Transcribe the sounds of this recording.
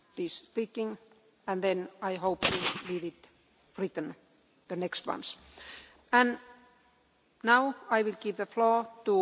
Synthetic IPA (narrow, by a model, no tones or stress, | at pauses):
ðispikɪ̃ŋ | æ̃nðɛ̃najɦoʊpwilidɪt̪ | fɹit̪ə̃n | ðənɛkstwʌ̰̃ns | æ̃n | naʊajwɪlɡivðəflɔːtu